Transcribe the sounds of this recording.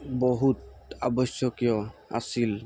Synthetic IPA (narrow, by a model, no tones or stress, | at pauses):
bɔɦut̪a̰bɔsjɔkijɔa̰sil